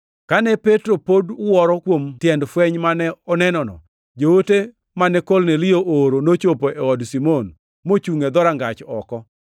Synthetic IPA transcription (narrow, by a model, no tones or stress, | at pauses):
kanɛpetɾopodʊwɔɾɔkwomtjɛndfwɛɲmanɛɔnɛnɔnɔ̰ | d͡ʒowote | manɛkolnɛlɪjoʔoɾonot͡ʃopoʔɛɔdsimon | mot͡ʃuŋed̪ɔɾaŋɡat͡ʃɔkɔ